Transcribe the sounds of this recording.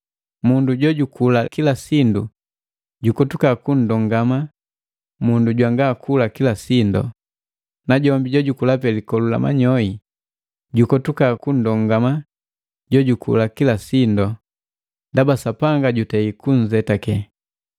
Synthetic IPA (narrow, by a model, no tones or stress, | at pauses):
munduɟɔɟukʰulakilasindu | ɟukɔtukakun̩dɔŋɡama | munduɟwaŋɡaːkʰulakilasind | naɟɔmbiɟɔɟukulapɛlikɔlula̰ma̰ɲɔi | ɟukɔtukaːkun̩dɔŋɡama | ɟɔɟukʰṵlakilasindɔ | ndabasapaŋɡaɟutɛikuɲ̩zɛtakɛ